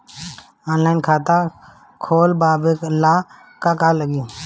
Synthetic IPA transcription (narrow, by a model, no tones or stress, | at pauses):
ɔːnlaːɪnkʰaːt̪a | kʰoːlbaːbeklaː | kakaləɡo